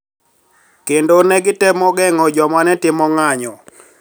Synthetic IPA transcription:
kendonɛɡɪtɛmɔɡɛŋɔd͡ʒɔmanɛtɪmɔŋaɲɔ

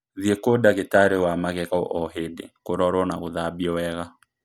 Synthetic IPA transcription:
ðiekodaɣetaɾewamaɣɛɣao̰ʔɔɦedḛkoɾɔɾwɔnaɣoðabiɔwɛɣa

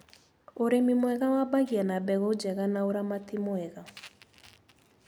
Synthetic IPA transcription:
oɾemimwɛɣawabaɣianabɛɣod͡ʒɛɣanaoɾamatimwɛɣa

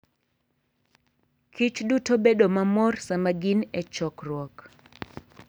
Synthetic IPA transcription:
kʰit͡ʃdutobedomamɔrsamaɡinɛt͡ʃɔkrwɔk

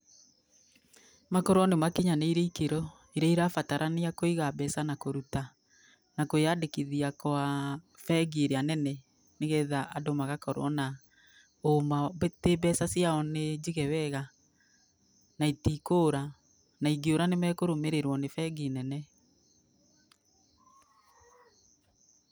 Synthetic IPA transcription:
makɔɾwɔnemakiɲaneiɾeikeɾɔ | iɾɛiɾafataɾʔaneakoiɣabɛsanakoɾuta | nakojadekiðiakoa | fɛɡeɾeanɛnɛ | neɣɛðaʔadomaɣakɔɾɔ̰na | omatebɛsasiaɔned͡ʒiɣɛwɛɣa | naitikoɾa | naiɡioɾanemɛkoɾomeɾeɾwɔnefɛɡinɛnɛ

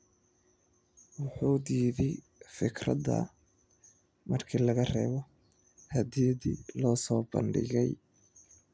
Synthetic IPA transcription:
wʊħuːd̪iːðɪj | fɪkʰrɐ̰ðɐ̰ | mɐrkʰiːlɐɣɐrɛ̰ːβɔ | hɐd̪iːdilɔːsɔːbɐ̰nɖɪ̰ɣɛj

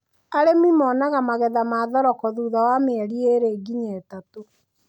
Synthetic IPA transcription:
aɾemimɔnaɣamaɣɛðamaːðɔɾɔkɔðuːðawameɛɾieɾeɡiɲetato

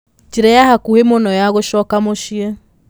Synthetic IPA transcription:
t͡ʃiɾɛjahakuhemonɔjaɣoʃɔkamoʃiɛ

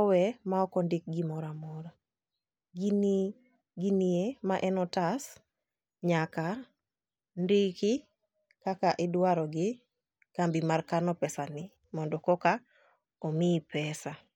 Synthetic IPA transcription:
ɔwɛmaɔkɔndɪk̚ɡɪmɔɾamɔɾa | ɡin | ɡiniemaʔɛnɔtas | ɲaka | ndɪkɪ | kakaʔɪdwaɾɔɡɪ | kambimarkanɔpɛsanɪ | mɔndɔkɔka | ɔmipɛsa

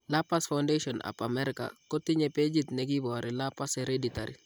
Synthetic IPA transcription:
lapasfaʊndeʃɔnʔa̰pa̰mɛɾɪka̰kotɪɲɛped͡ʒit̪nɛɡibɔaɾɪlapaseɾeditaɾḭ

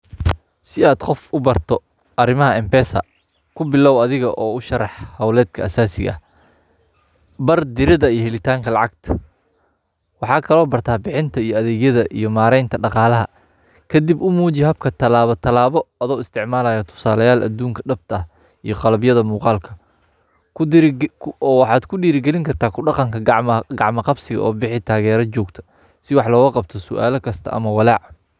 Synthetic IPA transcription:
sɪaːd̪qɔfʊbɐrt̪ʰɔ | ʔɐrɪmɐɦɐɛmpɛːsɐ̰ | kʰʊbɪlɔːwɐðɪɣɐʔɔːʊʃɐrɑħhɐwlɛːd̪kʰɐːsaːsɪ̰ɣɐ̰ | bɐrd̪ɪɾɪðɐijɞhɛlɪt̪ʰaːŋkʰɐlɑʕɑɡt̪ʰɐ̥ | wɑħɑːkʰɐlɔːbɐrt̪ʰaːbɪħɪnt̪ʰɐijɔɐðɛːɣjɐðɐʔḭjɞmaːɾɛjnt̪ʰɐɖɑqɑːlɐɦɐ | kʰɐd̪ibʊmuːt͡ʃɪɦɐb̚kʰɐt̪ʰɐlaːβɔt̪ʰɐlaːβɔɐðɔːɪst̪ʰɪʕmaːlɐːjɐt̪ʰʊ̥saːlɐjaːlʔɐ̰d̪uːŋkʰɐɖɐb̚t̪ʰɐɐh | ijɔqɑlɐbjɐðɐmuːqɑːlkʰɐ | wɑħɑːd̪kʰʊɖiːɾɪɡɛlɪŋkʰɐrt̪ʰaːkʰʊɖɑqɑŋkʰɐɡɑʕmɐqɑbsɪɣɐ̰ʔɔːbɪħɪt̪ʰaːɣɛːɾɐt͡ʃɔːɡt̪ʰɐ̥ | sɪwɑħlɔːɣɐqɑb̚t̪ʰɔsʊ̰ʔa̰ːlɐkʰɐst̪ʰɐ̰ʔɐ̰mɐwɑlɑʕ

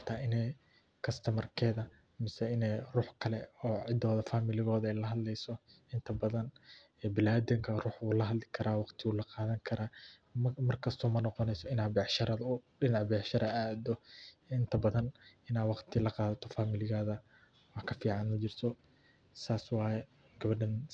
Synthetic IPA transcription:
t̪ʰaːʔɪnɛj | kʰɐst̪ʰɐmɐrkʰɛːðɐ | mɪsɛɪnɛjruːħkʰɐlɛ̰ɔːʕɪd̪ɔːðɐfaːmɪlɪɣɔːðɐɛjlɐɦɐd̪lɛjsɔ | ɪnt̪ʰɐbɐðɐn | ɛːbɪlaːd̪ɪŋkʰɐruːħʊlɐɦɐd̪lɪkʰɐɾʔaːwɑqt̪ʰɪulɐqɑːðɐŋkʰɐɾaː | mɐrkʰɐst̪ʰɔːmɐnɔqɔnɛjsɔɪnaːbɛʕʃɐɾɐðɐʊɖɪnɑʕbɛʕʃɐɾɐaːd̪ɔɪnt̪ʰɐbɐðɐnɪnaːwɑqt̪ʰɪlɐqɑːðɐt̪ʰɔfaːmɪlɪɣaːðɐ | wɑħkʰɐfiːʕɑnmɐt͡ʃɪrt̪ʰɔ | saːswɑːjɛ | ɡ̥ɐβɐɖɐn

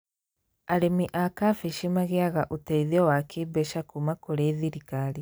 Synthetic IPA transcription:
aɾemiʔakafeʃimaɣeaɣaʔotɛiðiɔwakʰebɛʃakumakoɾeðiɾikaɾi

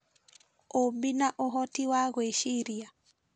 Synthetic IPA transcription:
ombinaʔɔɦɔtiwaɣɔeʃiɾia

